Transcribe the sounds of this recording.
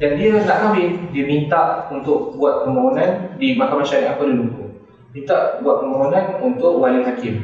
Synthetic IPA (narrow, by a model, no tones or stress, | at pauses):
dandiəlaʔkawɪdiəmĩnt̪aʔunt̪ʊʔbuat̪̚pəmaɦunãndimakamãnʃaɾiʔanpadiəmuŋku | mint̪aʔbuat̪̚pəmaɦunãnunt̪ʊʔwaliɦakɪm